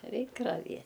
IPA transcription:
ˈrʲɛɪk rɐˈʋʲiɛ

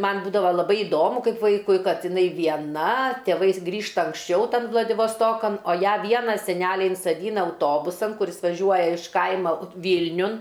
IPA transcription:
ˈmɐn ˈbuːdɐʋɐ lˠɐˈbɐɪ ɪˈdoːmʊ ˈkɐɪp ˈʋɐɪkʊɪ ˈkɐt ɪˈnɐɪ ʋʲiɛˈnɐ tʲeːˈʋɐɪs ˈɡrʲiːʃtɐ ɐŋksʲˈt͡ʃʲɛʊ ˈtɐn ʋlˠɐdʲɪʋɐsˈtoːkɐn oː ˈjæː ˈʋʲiɛnɐ sʲɛˈnʲæːlʲɛɪ ɪnsɐˈdʲiːnɐ ɐʊˈtoːbʊsɐn kʊˈrʲɪs ʋɐˈʒʲuɔjɛ ɪʃ ˈkɐɪmɐ ˈʋʲiːlʲnʲʊn

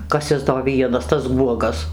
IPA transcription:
ˈkɐs ˈɪs doː ˈʋʲiɛnɐs tɐs ˈɡuɔɡɐs

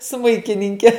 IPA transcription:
ˈsmʊɪkʲɪnʲɪŋʲkʲɛ

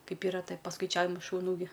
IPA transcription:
ˈkɐɪp ˈiːrɐ ˈtɐɪ pɐskɐɪˈt͡ʃʲæːʋʲɪmɐɪ ʃʊˈnuː ɡʲɪ

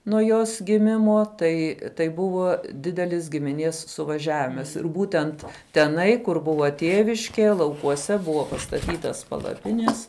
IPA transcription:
nuɔ ˈjoːs ɡʲɪˈmʲɪmoː ˈtɐɪ tɐɪ ˈbʊʋoː ˈdʲɪdʲɛlʲɪs ɡʲɪmʲɪˈnʲiɛs sʊʋɐˈʒʲæːʋʲɪmɐs ɪr ˈbuːtʲɛnt tʲɛˈnɐɪ kʊr ˈbʊʋɐ ˈtʲiɛʋʲɪʃʲkʲɛ lˠɐʊkuɔˈsʲɛ ˈbʊʋoː pɐstɐˈtʲiːtɐs pɐlˠɐˈpʲɪnʲɛs

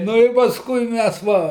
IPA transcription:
ˈnʊ ɪr pɐsˈkʊɪ ˈmʲæs ˈʋɐ

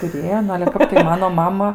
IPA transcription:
tʊˈrʲeːjoː ˈnʊ ɐlʲɛ ˈkɐp tɐɪ ˈmɑːnoː ˈmɑːmɐ

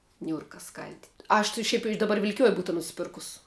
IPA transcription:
ˈnʲuːrkɐ ˈskɐlʲdʲɪtʲ ˈɐʃ tʲɪ ˈʃʲɛɪp ɪʃ dɐˈbɐr ʋʲɪlʲkʲɪˈjoːj ˈbuːtɐ nʊsʲɪˈpʲɪrkʊs

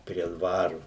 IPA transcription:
pʲrʲiɛ ˈdʋɑːrʊ

